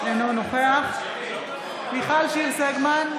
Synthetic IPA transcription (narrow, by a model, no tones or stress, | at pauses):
enonoχeaχ | miχalʃilseɡman